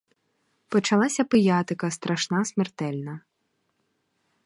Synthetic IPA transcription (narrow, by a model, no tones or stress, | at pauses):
pɔt͡ʃɐlˠɑsʲɐpɪjɑt̪ɪkɐst̪ɾʔɐʃnasmert̪ɛlʲnɐ